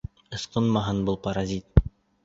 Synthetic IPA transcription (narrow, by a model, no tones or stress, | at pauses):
ɤ̆sqɤnmɑɦɑnbɤlˠpɐɾazʲit̪̚